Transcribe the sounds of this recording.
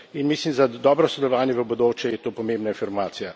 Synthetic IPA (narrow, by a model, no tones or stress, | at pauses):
inmislimzad̪ɔːbɾɔsɛd̪ɛlɔʋaːnjɛʋəbod̪oːt͡ʃjɛjɛt̪oːpɔmẽmbnaifiɾmaːt̪sija